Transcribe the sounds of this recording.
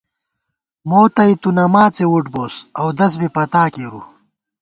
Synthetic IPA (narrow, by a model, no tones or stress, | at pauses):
moːt̪ɐit̪unɐmaːt͡sewuʈboːsɐwd̪ɐs̬bipɐt̪aːkeɾṵ